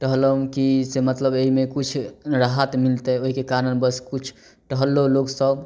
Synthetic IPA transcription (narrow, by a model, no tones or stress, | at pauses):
ʈəɦləũkisemət̪ləbeɦimekut͡ʃʰɾaɦət̪milt̪ɛoɦikekaɾənbəskut͡ʃʰ | ʈəɦəlːoloɡsəb